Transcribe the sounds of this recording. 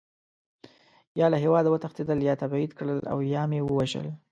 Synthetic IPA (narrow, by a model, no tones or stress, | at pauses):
jɑlaɦewɑd̪awət̪axt̪ed̪əljɑt̪abid̪kɽəla̰wjɑmewəwaʒə̰l